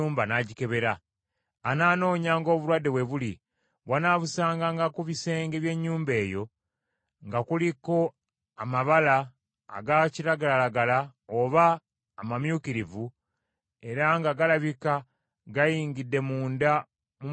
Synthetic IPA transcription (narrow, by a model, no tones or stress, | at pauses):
uːmbanaɟike̞βe̞ɾaː | naːno̞ːɲaːŋɡo̞ːβuɾwadːe̞βwe̞βuli | βwanaːβusaːŋɡaŋɡakuβise̞ːŋɡe̞βje̞ɲːuːmbe̞ːjo̞ | ŋɡakuliko̞ | amaβala̰ː | ɡaciɾaɡalalaɡalaoβaː | mamjukiɾivu | e̞ɾaŋɡaɡalaβika | ɡajiːɲɡidːe̞muːnda | mu